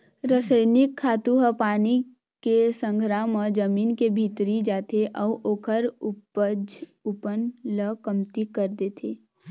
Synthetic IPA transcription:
ɾəsəjnɪkʰːaːt̪uɦəpaːni | kesə̃ŋɡʱɾaːmə̃d͡ʒəmiːnkebʱiːt̪ɾid͡ʒaːt̪eʔɔːʔoːkʰəɾ | d͡ʒʊpənləkəmt̪ikəɾd̪et̪ʰeː

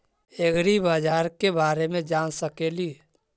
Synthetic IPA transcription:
eɡɾibaːd͡ʒaːɾkebaːɾemẽd͡ʒaːnsəkeːli

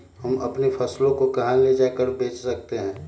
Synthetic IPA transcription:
hɐmɐpnepʰɐslõkokɐɦãled͡ʒaːekəɾbeːt͡ʃsɐk̚t̪eɦɛ̃ː

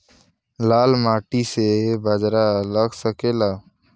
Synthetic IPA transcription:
lalmaʈisebʱəd͡ʒɾaləɡsəkela

